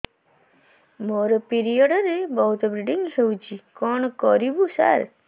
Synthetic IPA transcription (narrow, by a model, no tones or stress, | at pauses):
moɾɔpiɾijɔɽəɾebɔɦut̪bɾiɖiŋɡɦeud͡ʒikɔɳkɔɾibusa̰ɾ